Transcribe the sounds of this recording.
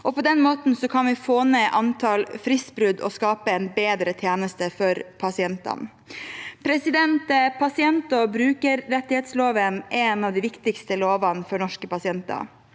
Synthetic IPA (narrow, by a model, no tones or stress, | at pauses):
ʔɔpɔd̪ɛnmoːt̪n̩sɔkʰɑnʋɪfoːneːʔɑnt̪ʰɑlfɾɪsbɾʉd̪ɔ̰skɑːpəɛnbeːd̪ɾət̪ʰjeːnəst̪əfɔɾpʰɑsɪɛnt̪ɑ̰n | pʰɾɛsɪd̪ɛnt̪əpʰɑsɪɛnt̪ɔbɾʉːkəɾːɛt̪ːɪheːt̪sloːʋənʔɛnɑʋd̪ɪːʋɪkt̪ɪkst̪əloːʋɑnfɔɾɳɔʂkəpɑsɪɛnt̪ɑ̰